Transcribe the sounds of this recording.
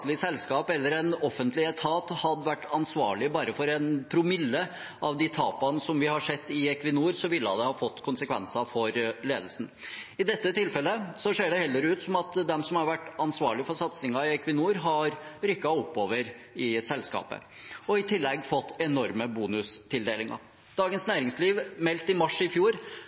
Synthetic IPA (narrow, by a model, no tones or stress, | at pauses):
lɪsɛlskɑːpɛlːəɾɛnɔfənt̪ʰlɪɛt̪ʰɑːt̪hɑd̪əʋæʈːɑnsʋɑ̰ːɭɪbɑːɾəfɔɾɛnpʰɾʊmɪlːə | ɑʋd̪ɪt̪ʰɑːpɑnsɔmʋɪhɑʂɛt̪ːɪɛkʰʋɪnuːɾsɔʋɪlːəɑ̰d̪ɛhɑːfɔt̪ːkʰʊnsəkʰʋɛ̰nsɑfɔɾleːd̪lsn̩ɪd̪ɛt̪ːət̪ʰɪlfɛlːəsɔʂeːɖɛhɛlːəɾʉːt̪sɔmɑt̪d̪ɛmsɔmhɑɾʋæʈːɑnsʋɑːɭɪfɔɾsɑt̪snɪŋɑɪɛkʋɪnuːɾɦɑɾɾʏkːɑɔpːoːʋəɾ | ɪsɛlskɑ̰ːpə̰ | ɔɪt̪ʰɪlːɛɡːfɔt̪ːɛnɔɾməbuːnʉst̪ʰɪld̪eːlɪŋɑ̰ | d̪̥ɑːɡənsnæːɾɪŋsliːʋmɛlt̪ɪmɑʂɪfjuːɾ